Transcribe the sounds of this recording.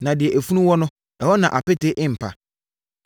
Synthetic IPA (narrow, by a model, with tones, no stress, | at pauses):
nã˨dɪ˨ɛ˨ʔæ˨fu˦nũ˦wɔ˦nʊ̃˦ | ɛ˨wɔ˦nã˨ʔa˨pɛ˦te˦ʔɪ˦m̩˨pʰa̰˨